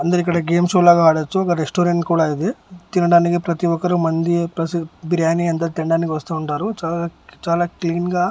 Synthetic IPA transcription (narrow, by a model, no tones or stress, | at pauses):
ɐnd̪ɐɾikːɐɽɐɡeːmsolaːɡaɦaːɽɐt͡ʃːuɔkɐɾesʈoːɾeɳʈkuːɽaːid̪it̪inɐɽaːnikipɾɐt̪iɔkːɐɾumɐnd̪ipɾɐsibiɾjaːniɐnt̪̬aːt̪inɐɖaːnik̬iʋɐst̪uːuɳʈaːɾut͡ʃaːlat͡ʃaːlaːkliːnɡaː